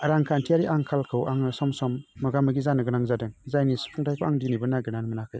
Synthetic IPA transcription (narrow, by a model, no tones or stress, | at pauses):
aɾaŋkʰantʰijaɾiʔaŋkʰalkʰɯwʔaŋɯsɔmsɔmːɯɡamɯɡizanɯɡɯnaŋzadɯŋzajnispʰɔŋtʰajpʰɔaŋdinibɯnaɡɯnanmɯnakʰɯj